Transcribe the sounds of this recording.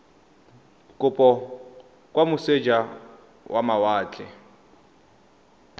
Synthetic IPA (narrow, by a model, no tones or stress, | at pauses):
kʼʊpʼɔ | kʼwamʊsed͡ʒa | wʔamawaːt͡ɬʼɛ